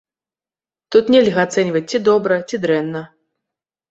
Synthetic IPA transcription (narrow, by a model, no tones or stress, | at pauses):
t̪ut̪nʲɛlʲɣɐat̪sɛnʲvɐt͡sʲt͡sʲid̪ɔbɾɐt͡sʲid̪ɾɛnːɐ